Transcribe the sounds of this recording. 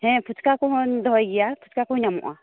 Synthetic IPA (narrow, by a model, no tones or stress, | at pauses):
hɛ̃pʰut̪ʰkakɔɦɔnd̪ʱɔɔjɡɛjapʰu̥t̪ʰkakɔɲamɔ̰ʔa̰